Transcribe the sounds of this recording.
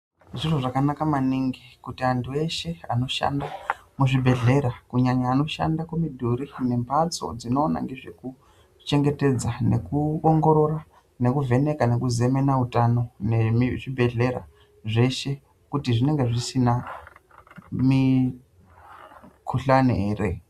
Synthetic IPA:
ʐiroʐakanakamaniŋɡikutiantʰue̞ʃe̞ano̞ʃa̰ndamuʐibʱe̞ɮe̞ɾakuɲaɲaːno̞ʃa̰ndakwomidʱuɾine̞mpʰat͡so̞̰d͡zino̞ːna̰ŋɡe̞ʐe̞ku | t͡ʃe̞ŋɡe̞te̞d͡zane̞kuoŋɡo̞ɾo̞ra | ne̞kuve̞ne̞kane̞kuze̞me̞nautano̞nemiʐibʱe̞ɮe̞ɾa̰ | ʐe̞ʃe̞ | kutiʐine̞ŋɡe̞ʐisina | mi | kʰuɬaneeːre

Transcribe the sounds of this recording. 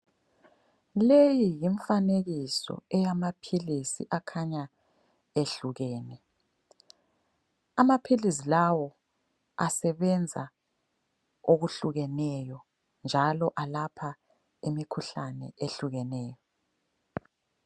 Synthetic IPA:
lejijiɱfaneɣisɔ̰ɛjamapʰilisḭʔakʰaɲa | eɬuɣɛːnɛ | amapʰilis̬ilawɔ | asɛβɛnd͡zʱa̰ | oɣuɬuɣɛnɛjɔ | nd͡ʒʱalɔʔalapʰa | imikʰuɬanɛ̰ʔeɬuɣɛnɛːjɔ

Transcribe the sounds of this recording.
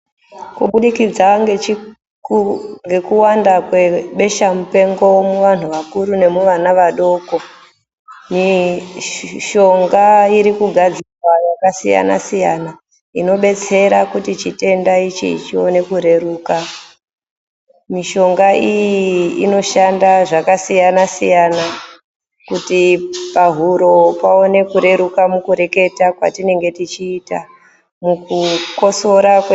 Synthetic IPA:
kuɓuɗikid͡zaŋɡe | ŋɡe̞kuwandakweɓe̞ʃamupe̞ŋɡo̞womuʋan̤uʋakuɾune̞muʋanaʋaɗo̞ːko̞ | mi | ʃo̞ŋɡaiɾikuɡʱad͡zirwajakasija̰na̰sija̰na | ino̞ɓe̞t͡se̞ɾakutit͡ʃite̞ndait͡ʃḭit͡ʃio̞̰ne̞kuɾe̞ruːka | miʃo̞ŋɡaʔijiːno̞ʃandaʐakasijanasijana | kutipaɦuɾo̞pao̞ne̞kuɾe̞ɾukamukuɾe̞ke̞takwa̰tine̞ŋɡe̞tit͡ʃiːta̰ | mukuko̞so̞ɾak

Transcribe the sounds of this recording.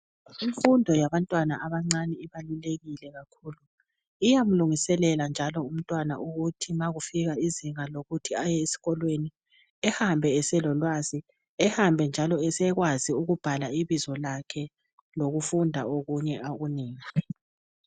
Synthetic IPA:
iɱfundʱɔjaβantʼwanaʔaβaŋ͡ǀanɛiβaluleɣilɛɣakʰuːlu | ijam̩luŋisɛlɛland͡ʒʱalɔum̩tʼwana̰ʔuɣutʰimaɣufiɣaiziŋaloɣutʰiajɛesi̥ɣɔlweni | ɛhambʱɛɛsɛlɔlwazi | ɛhambʱɛnd͡ʒʱalɔɛsɛɣwaziuɣub̥ʱalaiβizɔlakʰɛ | loɣufundʱa̰oɣuɲɛʔaɣuniːŋi

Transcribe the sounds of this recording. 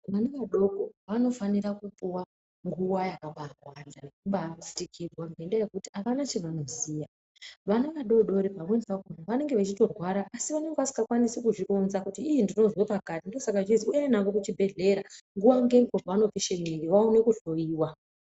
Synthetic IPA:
ʋanaʋaɗo̞koʋano̞faniɾakupuwa | ŋɡuwajakaɓarwwandanekuɓat͡si̥tikʰirwamʱendaje̞kutiaʋanat͡ʃeʋano̞zija | ʋanaʋaɗo̞ɗo̞ɾipaβenpakonaʋane̞ŋɡe̞ʋat͡ʃito̞rwaɾaʔːsiʋaneŋɡeʋasi̥ŋɡakwanisekuʐikonzakutiːjindino̞zwopakatindiosakat͡ʃiziujanaʋokut͡ʃibʱe̞ɮe̞ɾaŋɡuwaŋɡemkovaano̞piʃemiŋɡiʋaune̞kuɬo̞jiːwa

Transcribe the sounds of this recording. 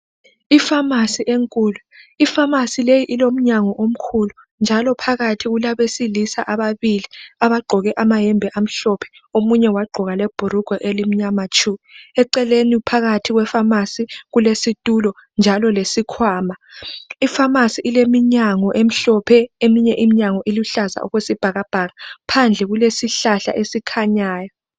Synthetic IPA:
ifamasiʔeŋkʼuːluifamasilejiʔilom̩ɲaŋɔʔom̩kʰulu | nd͡ʒʱalɔpʰaɣatʰiɣulaβesilisa̰ʔaβaβiliaβaɡ͡ǃʱɔɣɛʔamaɦɛmbʱɛʔam̩ɬɔpʰɛ̥ | omuɲɛwaɡ͡ǃʱɔɣalɛb̥ʱuɾuɡ̥ʱɔʔelim̩ɲamat͡ʃʰʼumiɛǀɛlenipʰaɣatʰiɣwɛfamasiɣulesitʼulɔ | nd͡ʒʱalɔlesikʰwaːmaifamasiʔːlemiɲaŋɔʔem̩ɬɔpʰɛemiɲɛʔimiɲaŋɔʔiluɬaza̰ʔɔ̰ɣwesib̥ʱaɣab̥ʱaɣapʰand͡ɮʱɛɣulesiɬaɬa̰ʔesikʰaɲaːjɔ

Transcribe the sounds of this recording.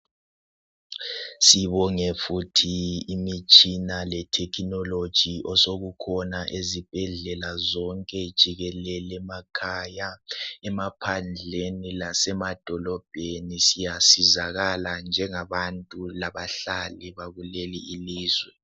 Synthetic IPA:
siβɔŋɛfutʰiːmit͡ʃʼinalɛtʰɛkʰinɔlod̥ʒ̥ʱiʔɔsoɣukʰɔnaʔezib̥ʱɛɮɛlazɔŋkʼɛd̥ʒ̥ʱiɣɛlɛlɛmakʰajaɛmapʰand͡ɮʱenilasɛmad̥ʱɔlɔb̥ʱenisijasizaɣaland͡ʒʱɛŋaβantʼulaβaɬalɛβaɣuleliiliːzwɛ

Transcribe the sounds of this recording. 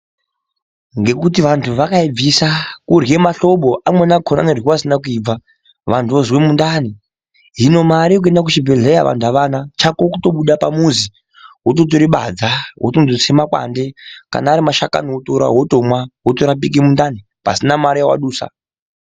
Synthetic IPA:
ŋɡe̞kutiʋantʰuʋakaib͡visakurje̞maɬoɓoʔamwenakʰona̰nerwiwasinakuiːb͡va | ʋantʰuozwemundani | ɦino̞maɾiok̬e̞ndakut͡ʃibʱeɮejaʋa̰ntʰuaʋanat͡ʃakokuto̞ɓuɗapamuzi | ɦotot̬oɾiɓa̰d͡zawo̰tonzosemakwa̰nde̞ka̰naːɾimaʃaka̰nootoɾa̰ɦotomwaɦotoɾap̬ik̬emundani | pa̰sinamaɾijawa̰ɗuːsa̰

